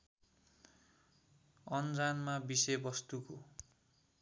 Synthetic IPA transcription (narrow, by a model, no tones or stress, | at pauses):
ʌnd͡zanmabisʌbʌst̪uko